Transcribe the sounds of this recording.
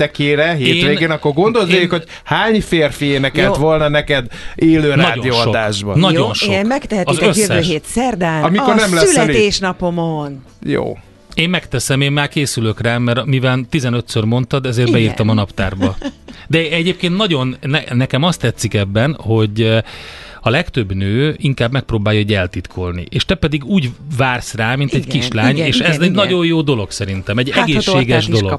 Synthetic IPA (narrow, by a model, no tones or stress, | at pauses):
t̪ɛkeːɾɛɦeːet̪ːveːɡeːnɒkːorɡo̞nd̪olzekhoɟ | haːɲfeːrfijeːnɛkɛlt̪ʋo̞lnɒnɛkɛd̪eːløːnaɒdɟoijoːɒod̪aːʒbɒ̰nɒɟjonʃomɛkt̪ɛɦɛt̪ɒizøsːɛøʃɦeːt̪sɛrd̪ɛnɒmikorrnɛmlɛsylit̪eːʃnɒpomon | jo̰ː | eːmmɛkt̪ɛsɛmeːmːaːrkeːsyløkraːmɛɾmivɛlt̪izɛnø̞t̪sørmo̞nt̪ɒd̪ɛzeːrɾbɛiːrt̪ɒmɒnɒpt̪a̰ːrbɒd̪ɛɛɟeːp̚keːnt̪nɒɟo̞nːɛnɛkɛmɒst̪ɛt̪sːikɛbːɛnho̞ɟ | ɒlɛkt̪ø̞bnøːiŋkaːbmɛk̚proːbaːjːɒoɟɛlt̪it̪kʰo̞lnḭʔeːʃt̪ɛpɛd̪iɡuːɟvaːrsraːmint̪ɛckiʃlaːɲeːʃʃɛzɛnɒɟo̞joːd̪o̞lo̞ɡsɛɾint̪ɛmɛɟːɛɡeːʃeːɡɛʒdo̞loɡ